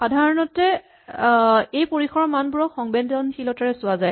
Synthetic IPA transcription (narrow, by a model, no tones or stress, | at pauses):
xadʱaɹɔnɔtɛ | ejpoɹikʰɔɹmanbuɹɔxɔŋbɛndɔnxilɔtaɹɛsʊazaj